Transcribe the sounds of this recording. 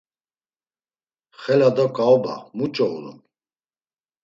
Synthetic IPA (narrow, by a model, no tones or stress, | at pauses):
χɛlad̪ɔkʼaɔba̰mut͡ʃʼɔuɾṵm